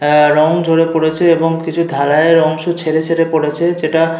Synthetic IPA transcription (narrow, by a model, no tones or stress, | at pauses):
ɾɔŋd͡ʑʱoɽepoɽet͡ɕʰeeboŋkit͡ɕʰud̪ʱalaeɾɔŋʃut͡ɕʰeɾet͡ɕʰeɾepoɽet͡ɕʰed͡ʑeʈa